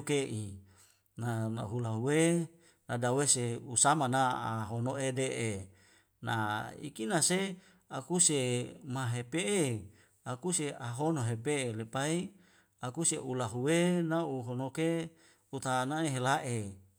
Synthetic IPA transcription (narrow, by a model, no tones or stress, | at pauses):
keʔi | nana̰ɦulaɦuwe | nadaweseusamanaaɦonoedeʔe | naḭkinase | akusemaɦepee | akuseaɦonoɦepeːlepai | akuseʔulaɦuwenauɦonoke | ut̪anaeɦelaʔe